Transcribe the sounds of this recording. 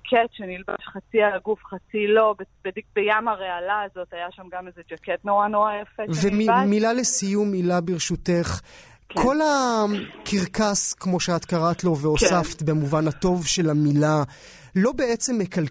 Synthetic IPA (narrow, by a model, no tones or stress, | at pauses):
kʰetʃenilba̰ʃχat͡sialaɡufχat͡silo̞bebedikbejamaʁealaːzo̞tajaʃamɡamezed͡ʒaket̪noʁanoʁajafevemimilalesijumilabiʁʃuteχ | kʰo̞lakʰiʁkaskmo̞ʃeat̪kaʁat̪lo̞veosaft̪bemuvanhat̪o̞vʃe̞lamila | lo̞be̞et͡se̞mːekal